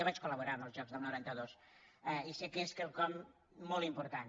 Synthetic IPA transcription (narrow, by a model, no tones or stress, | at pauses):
aβat͡ʃkuləβuɾanəlˠzʒɔkzðəlˠnuɾant̪əðos | ɛisekeskelˠkɔm | mɔlˠimpuɾt̪an